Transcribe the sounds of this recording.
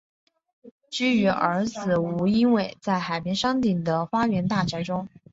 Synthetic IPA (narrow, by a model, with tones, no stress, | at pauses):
ʈ͡ʂɻ̩˥y˧˥ə˞˧˥d͡zɹ̩˨u˧˥i˥nwe˥˨˩ɪt͡sa˥˩ɪxa˨˩ɪpjɛ˥nʂɑ˥ŋt̪i˨˩ŋd̪ə˦fa˥ɥɛ˧˥nt̪a˥˩t͡ɕʰɛ˧˥ʈ͡ʂʊ˥ŋ